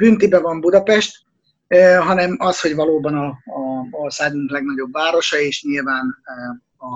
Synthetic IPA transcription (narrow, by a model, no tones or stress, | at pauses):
b̥yːnt̪ibɛvɒmbud̪ɒpɛʃt̪ː | ɦɒnɛmɒsho̞ɟvɒloːbɒnɒː | orsaːɡuŋklɛɡnɒɟo̞bːaːɾo̞ʃɒeːʃɲilvaːn | ɒ